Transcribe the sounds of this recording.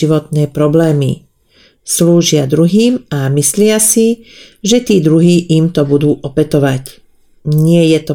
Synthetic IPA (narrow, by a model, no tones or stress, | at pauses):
iʋɔt̪̚nɛːpɾɔblɛːmḭ | sluːʒɪad̪ɾuɦiːmamislɪasiʒɛt̪iːd̪ɾuɦiːʔimt̪ɔbud̪uːʔɔpɛt̪ɔʋac | ɲɪɛjɛt̪ɔ